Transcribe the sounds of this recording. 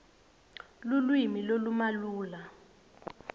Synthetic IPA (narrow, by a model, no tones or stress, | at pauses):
lulwimilolumaluːla